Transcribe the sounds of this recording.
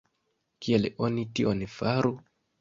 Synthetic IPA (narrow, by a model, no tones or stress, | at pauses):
kielonitiʔonfaɾu